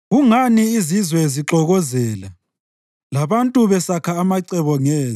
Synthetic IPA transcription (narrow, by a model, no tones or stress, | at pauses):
ɣuŋaniːzizwɛziǁɔɣɔzɛːla | laβantʼuβɛsakʰaːmaǀɛβɔŋɛːz